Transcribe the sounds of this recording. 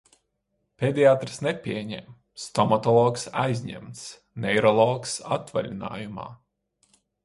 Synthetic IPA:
pʲɛd̪ʲiaːt̪ɾsnɛpʲiɛɲɛ̰m | st̪ɔmat̪ɔlˠɔːksajzʲɲɛ̰mt̪s | nɛjɾɔlˠɔːksa̰t̪valʲina̰ːjuma̰ː

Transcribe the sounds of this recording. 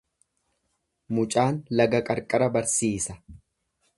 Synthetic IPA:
mʊt͡ʃʼaːnlɐɡɐkʼɐɾkʼɐɾɐbɐɾsiːsɐ

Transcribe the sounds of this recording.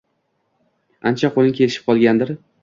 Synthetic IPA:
ant͡ʃʰaqʰolɪŋkʲʰe̞lɪʃɪ̥p̚qʰɒlˠɡʲand̪ɪɾ

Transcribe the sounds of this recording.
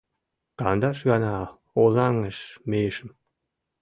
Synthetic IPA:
kɑnd̪ɑʃɣɑnɑ | ozɑŋə̆ʃmejʃɘ̆m

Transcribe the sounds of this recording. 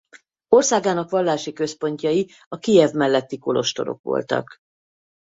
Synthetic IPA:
o̞rsaːɡaːnɒkʋɒlːaːʃikø̞spo̞ɲcɒji | ɒkijɛvmɛlːɛt̪ːiko̞lo̞̰ʃt̪o̞ɾo̞̰kʋo̞̰lt̪ɒ̰k

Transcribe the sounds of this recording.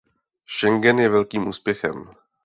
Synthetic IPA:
ʃɛŋɡɛnjɛvɛlkiːmʔuːspjɛxɛ̰m

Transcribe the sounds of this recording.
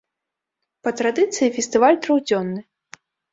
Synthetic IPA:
pɐt̪ɾad̪ɨt̪sɨjifʲɛst̪ɨvalʲt̪ɾɐwd͡zʲɔnːɨ

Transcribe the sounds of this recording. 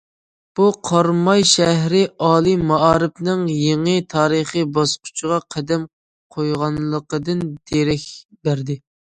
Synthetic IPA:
b̥uqʰɑɾmɑjʃɛɦɾɪɑːlˠɨmɑʔɑːɾɨpnɨŋjeŋət̪ʰɑːɾəχəbɑsqʰʊ̥t͡ʃʰəʁɑqʰæd̪ɛm | qʰojʁɑnlˠəqəd̪ɨnd̪̥eɾɪkʲ | bæɾd̪ɪ

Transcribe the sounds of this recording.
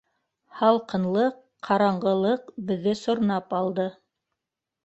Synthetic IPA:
hɑlˠqɤ̆nlˠɤqː | ɑɾɑɴɢɤ̆lˠɤqbɘ̆ðːɘsŏɾnɑpɑlˠd̪ɤ

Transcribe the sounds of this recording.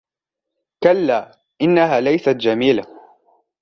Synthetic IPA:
kalːaː | ʔɪnːaɦaːlajsat̪d͡ʒamiːla

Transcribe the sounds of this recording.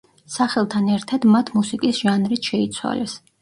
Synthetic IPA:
saχɛlˠt̪ʰanɛɾt̪ʰad̪mat̪ʰmusikʼisʒ̥anɾit̪ʰʃɛit̪sʰwa̰lɛs

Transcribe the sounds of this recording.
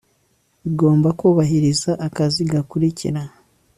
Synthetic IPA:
iɡo̞ːmbakuːβaɦiɾizaʔːkaziɡakuɾicḭɾa

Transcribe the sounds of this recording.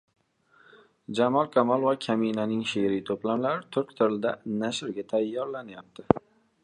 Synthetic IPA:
d͡ʒamɒlˠkʲʰamɒlˠvakʲʰaminanɪŋʃeɾijt̪ʰoplamlaɾɪt̪ʰʊɾkʲt̪ʰɪɾɪld̪anaʃɪɾɡʲat̪ʰajːɒɾlanajap̚t̪ʰɪ

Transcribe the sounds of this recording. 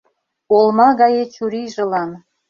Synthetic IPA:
olˠmɑɡɑjet͡ɕuɾiʒɤ̆lɑn

